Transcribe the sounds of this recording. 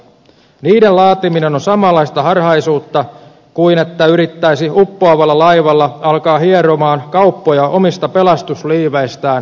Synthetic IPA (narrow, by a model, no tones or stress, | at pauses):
niːdelɑːt̪iminenonsɑmɑlˑːɑist̪ɑɦɑrhɑjsuːt̪ːɑ | kuine̞t̪ːæyɾit̪ːæjsiupːoɑʋɑlːɑlɑjʋɑlːɑɑlkɑːɦieɾomɑːnkɑupːojɑʔo̞mist̪ɑpe̞lɑst̪usliːʋejst̪æːn